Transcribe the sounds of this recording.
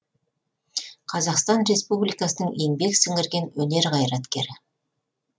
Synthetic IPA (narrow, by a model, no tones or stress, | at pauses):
qʰɑzɑqst̪ɑnɾe̞spublijkɑsənəɴje̞ŋbe̞ksɪŋɪɾɡʲe̞nwɵne̞ɾʁɑjɾɑt̪kʲe̞̰ɾɪ